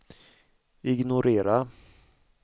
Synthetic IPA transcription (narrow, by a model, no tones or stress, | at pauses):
ɪɡnʊɾeːɾa